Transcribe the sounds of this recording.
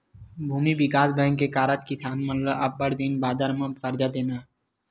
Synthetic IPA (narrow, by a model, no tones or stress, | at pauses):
bʱuːmibɪkaːsbɛ̃ːŋkekaːɾət͡ʃkɪsʰaːnmət̪ləʔɐbːəɽd̪ɪnbaːd̪əɾmə̃kəɾd͡ʒad̪eːnaː